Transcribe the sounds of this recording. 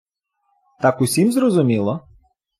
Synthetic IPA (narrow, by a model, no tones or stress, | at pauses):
t̪ɑkʊsʲimzɾɔzʊmʲilˠɔ